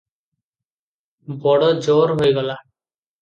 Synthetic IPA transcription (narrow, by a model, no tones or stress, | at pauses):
bɔɽɔd͡ʒɔɾɦojɡɔla